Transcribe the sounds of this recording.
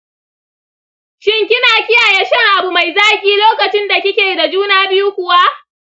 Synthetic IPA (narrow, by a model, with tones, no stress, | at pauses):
ʃɪ˦ŋkʲɪ˦naː˨kʲɪ˦jaː˨jɛ˦ʃɐ˦ŋʔa˨bu˨ma˨jzaː˦kʲʼiː˦loː˦kɐ˨t͡ʃɪ˦nda˨kʲɪ˦kʲeː˨da˨d͡ʒuː˦naː˦bɪ˦ju˦kʷʊ˦wa˦ʔ